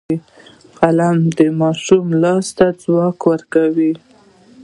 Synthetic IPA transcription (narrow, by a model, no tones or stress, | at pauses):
qalamd̪əmɑʃumlɑst̪ad͡zwɑkwəɾkawi